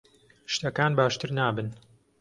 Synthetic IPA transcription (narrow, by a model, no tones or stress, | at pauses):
ʃt̪ɐkaːnbaːʃt̪ɨɾnaːbɨn